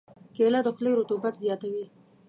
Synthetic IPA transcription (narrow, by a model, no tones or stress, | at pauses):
kelad̪əxleɾot̪obat̪zjɑt̪awi